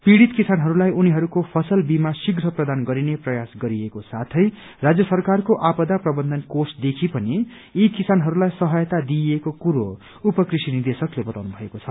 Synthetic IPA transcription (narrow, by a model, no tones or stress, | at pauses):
piɽit̪kisanɦʌɾulajuniɦʌɾukopʰʌsʌlbimasiɡɾʌprʌd̪anɡʌɾineprʌjasɡʌɾiekosat̪ʰʌj | rad͡zjʌsʌrkarkoʔapʌd̪aprʌbʌnd̪ʌnkosd̪ekʰipʌniː | kisanɦʌɾulajsʌɦʌjʌt̪ad̪iekokuɾo | upʌkrisinird̪esʌklebʌt̪awnubʱʌekot͡sʰʌ